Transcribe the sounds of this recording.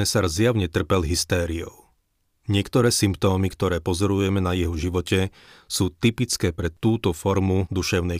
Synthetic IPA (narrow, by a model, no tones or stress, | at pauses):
ɛsaɾzjaʊɲɛt̪r̩pɛlɦist̪ɛːɾiɔ̰ʊ | ɲɪɛkt̪ɔɾɛːsimp̚t̪ɔːmikt̪ɔɾɛːpɔzɔɾujɛmɛnajɛɦɔʒiʋɔcɛ | suːt̪ipit͡skɛːpɾɛt̪uːt̪ɔfɔɾmud̪uʃɛʊnɛ